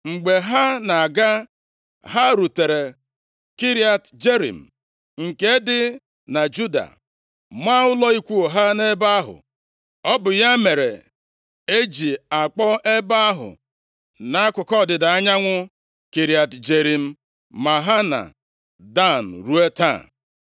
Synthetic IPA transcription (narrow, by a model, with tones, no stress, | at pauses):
ŋ͡m̩˨ɡ͡be˨ɦa˦na˨a˨ɡa˦ | ɦa˦ɾu˨te˨ɾe˨ | ki˦ɾi˦a˨td͡ʒe˦ɾḭ˨m̩˨ | ŋ̩˨ke˦dɪ˦ | na˨d͡ʒu˦da̰˨ | mʷa˦ʊ˦lɔ˦i˦kʷu˦o˨ɦa˦ne˦ba˦ɦʊ̰˨ | ɔ˦bʊ˨ja˦me˨ɾe˨ | e˦d͡ʒi˨a˨k͡pɔ˦e˦ba˦ɦʊ̰˨ | na˨a˦kʷʊ˨kɔ˦˨dɪ˨da˨a˦ɲa˦ŋʷʊ˦ | ki˨ɾi˨˦a˨td͡ʒe˨ɾi˨m̩˦ | ma˨ɦa˦na̰˨ | da˦˨n̩˨ɾu˦e˦ta̰˦˨